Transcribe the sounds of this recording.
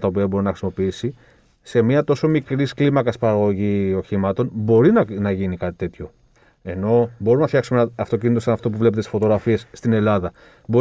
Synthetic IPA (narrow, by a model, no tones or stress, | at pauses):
t̪ɐop̬iɐbo̞ɾinɐxɾisimo̞piisi | se̞mɐt̪o̞so̞mikɾisklimɐkɐspɐɾɐɣo̞ʝio̞çimɐt̪o̞nbo̞ɾinnɐʝinikɐt̪i̥t̪e̞t̪ço̞ | e̞no̞bo̞ɾumnɐfθçɐksumeɐft̪o̞cinit̪osɐnɐft̪o̞p̬uvle̞pet̪esisfo̞t̪o̞ɣɾɐfie̞sːt̪ine̞lɐðɐ | bo